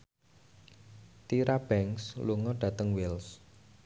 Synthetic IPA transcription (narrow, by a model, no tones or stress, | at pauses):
t̪iɾab̥ɛŋsluŋɔɖ̥ä̤t̪əŋwɪls